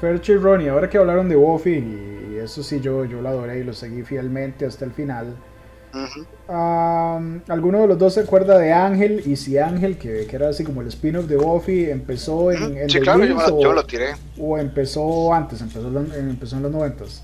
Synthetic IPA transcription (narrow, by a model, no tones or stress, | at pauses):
feɾt͡ʃironiaoɾakeaβlaɾond̪e̞wofiːe̞sosiʝoʝo̞loaðoɾe̞ilo̞seɣifjelmẽnt̪east̪aelfinal | amalɡunoð̞elozd̪osːeakwe̞ɾd̪að̞eaŋxelisiaŋxe̞lkekeeɾaːsikomoelespinofd̪ewofiempesoeŋend̪eioolot̪iɾe | oempesoant̪ese̞mpesoaeempesoenlaznoβe̞nt̪as